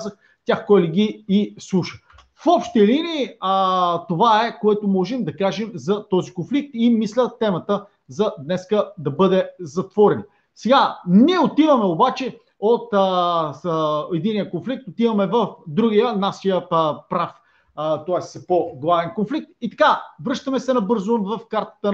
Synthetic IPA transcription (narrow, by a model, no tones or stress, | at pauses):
zəx | t̪ʲaxkɔjliɡiːslˠuʃə | fɔpʃt̪əliniː | t̪ːovaɛkoɛt̪omɔʒɛmd̪ɐkaʒɛmzɐt̪ɔzikonflik̚t̪imislʲət̪ɛmɐt̪ə | zɐd̪nɛskəd̪ɐbɤd̪ɛzɐt̪vɔɾɛnɐ | sɛɡaniɛot̪ivɐmɛobat͡ʃɛ | ot̪ | ɛd̪inijəkonflik̚t̪ot̪ivɐmɛvəfd̪ɾuɡijənaʃijəpɾaf | t̪oaɛssɛpoɡlˠavɛnkonflik̚t̪̚it̪ɐ̥kavɾɤʃt̪əmɛsɛnɐbɤɾzomvɐfkaɾt̪ə̥t̪ə